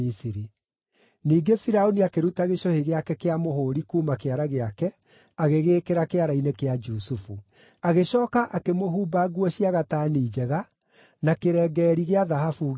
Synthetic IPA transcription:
isiɾi | niːɡefiɾaoniakeɾutaɣeʃoheɣeakɛkeamohoːɾikuːmakeaɾaɣeakɛ | aɣeɣeːkeɾakeaɾainekead͡ʒusufu | aɣeɕɔːkaʔakemoɦuːbaɡwɔɕiaɣataːniːd͡ʒɛɣa | nakeɾɛːɡɛːɾiɣeaðaɦafu

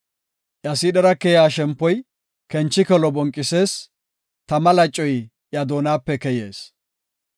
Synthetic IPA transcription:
ʔjɐsɪɗɛɾɐkɛjaːʃɛmpːɔj | kɛnt͡ʃːɪkɛlɔbɔŋkʼːɪse̞ːs | t̪ɐmɐlɐt͡ʃʼːɔj | ʔjɐd̪oːnaːpːɛkɛjeːs

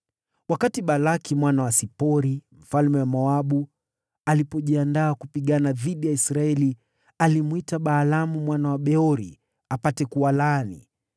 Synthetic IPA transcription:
wakatiɓalakimwanawasipɔɾim̩falmɛwamɔaɓu | alipɔʄiandaːkupiɠanaðiɗijaisɾaɛli | alimwitaɓaːlamumwanawaɓɛɔɾḭ | apatɛkuwalaːnḭ

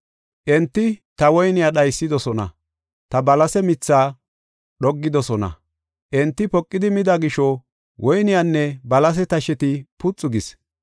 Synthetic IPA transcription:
ʔɛnt̪ːɪt̪ɐwɔjnɪjaɗɐjsːɪd̪ɔsɔnɐ̰ | t̪ɐbɐlɐsɛmɪt͡sːaː | ɗɔɡːɪd̪ɔsɔnɐ̰ | ʔɛnt̪ːɪpɔkʼːɪd̪ɪmɪd̪ɐɡɪʃɔ | wʔɔjnɪjanːɛbɐlɐs̬ɛt̪ɐʃɛt̪ɪpʊt͡sʼːʊɡɪs

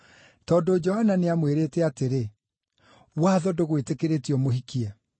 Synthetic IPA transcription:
tɔːndod͡ʒɔhananeamweɾetɛateɾe | waːðɔdoɣwetekeɾetiɔmoɦikiɛ

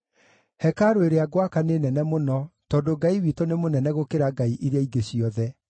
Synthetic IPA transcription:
hɛkaɾoeɾeaɡwakanenɛnɛmonɔtɔːndoɡaiwiːtonemonɛnɛɣokeɾaɡaiʔiɾeaiɡeɕiɔðɛ

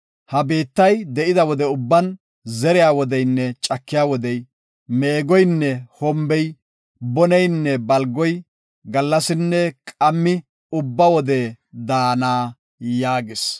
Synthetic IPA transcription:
hɐbe̞ːt̪ːɐjd̪ɛʔɪd̪ɐwɔd̪ɛʊbːɐn | zɛɾɪjaːwɔd̪ɛjnːɛt͡ʃʼɐkːɪjaːwɔd̪ɛj | meːɡɔjnːɛhɔmbɛj | bɔnɛjnːɛbɐlɡɔj | ɡɐlːɐsɪnːɛkʼɐmːɪ | ʊbːɐwɔd̪ɛd̪aːnaː | jaːɡɪs

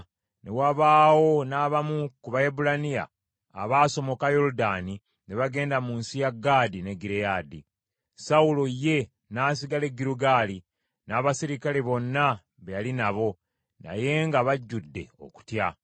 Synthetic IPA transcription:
ne̞waβaːwo̞naːβamukuβaebulanija̰ː | βaːso̞mo̞kajo̞ludaːni | ne̞βaɡe̞ːndamunsijaɡːaːdine̞ɡiɾejadi | sawulo̞je̞ | naːs̬iɡale̞ɡːiɾuɡaːli | naːβasiɾikaleβo̞nːa | βejalinaβo̞ | na̰je̞ŋɡaβaɟːudːe̞̰o̞̰ku̥tja

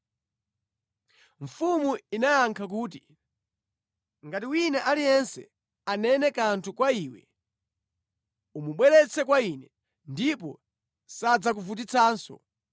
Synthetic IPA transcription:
ɱ̩fumuinajaŋkʰak̬uːt̬i | ŋɡatiwinaʔalijɛnsɛ̰ | anɛnɛkantʰukwaiːwɛ̰ | umuɓwɛlɛt͡sʰɛkwainɛ | ndip̬ɔ | sad͡zak̬uvut̬it͡sʰaːnsɔ̰

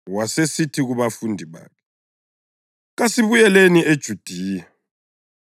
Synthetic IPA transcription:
wasesitʰiɣuβafundʱiβa̰ːkʰɛ | ɣasiβujɛleniʔed̥ʒ̥ʱud̥ʱiːja

